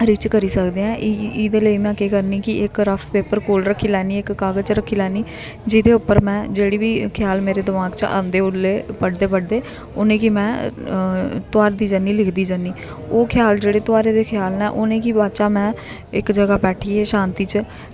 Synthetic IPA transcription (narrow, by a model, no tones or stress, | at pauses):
ɾɪt͡ʃkəɾiːsəkd̪eːɛ̃ːʔiːd̪eːləiːmɛ̃ːkeːkəɾniːkɪʔɪkɾəpʰpeːpəɾkoːlɾəkʰːiːlɛːniːɪkːaːɡət͡ʃɾəkʰːiːlɛːniː | d͡ʒɪd̪eːʊpːəɾmɛ̃ːd͡ʒeːɽiːbiːkʰjaːlmeːɾeːd̪ɪmaːɡt͡ʃã̰ːnd̪eːʊlːeːpəɽd̪eːpəɽd̪eː | oːnẽːkimɛ̃ː | t̪ʊaːɾd̪iːd͡ʒənːiːlɪkʰd̪iːd͡ʒənːiː | oːkʰjaːld͡ʒeːɽeːt̪ʊaːɾeːd̪eːkʰɪjaːlnɛ̰̃ːʔoːnẽːkiːbaːt͡ʃaːmɛ̃ː | ɪkd͡ʒəɡaːbɛːʈʰiːeːʃãːnt̪iːt͡ʃ